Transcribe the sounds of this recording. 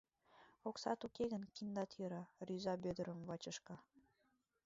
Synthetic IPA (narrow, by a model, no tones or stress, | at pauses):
oksɑ̰t̪ukeɣənkind̪ɑt̪jøɾɑryzɑbød̪əɾəmvɑt͡ɕəʃkɑ